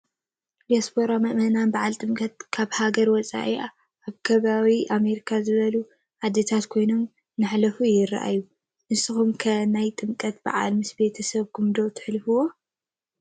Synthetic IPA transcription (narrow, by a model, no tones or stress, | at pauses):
liasboɾamɐʔmɐnanbaʕalt̪ʼɨmkʼɐt̪̚kʰaβhaɡɐɾwɔt͡sʼa̰ʔia | ʔːβkʰɐβawiʔame̞ɾikʰazɨβɐlu | ħad̪et̪ʰat̪kʰo̞jno̞m | nɨħlɐfujɪra̰ʔa̰jːu | ʔɨsɨxumkʰɐnajt̪ʼɨmkʼɐt̪ba̰ʕa̰lmɨsbe̞t̪ʰɐsɐβkʰumd̪o̞t̪ʰɨ̥ħlɨfɨwo̞